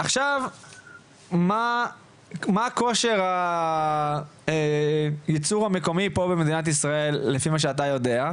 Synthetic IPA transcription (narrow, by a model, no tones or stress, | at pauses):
ʔaχʃav | ma | maːko̞ʃe̞ʁa | ejit͡suʁhame̞ko̞mipo̞bemed̪inat̪̬isʁae̞lːefimaʃ̬eat̬ajo̞de̞a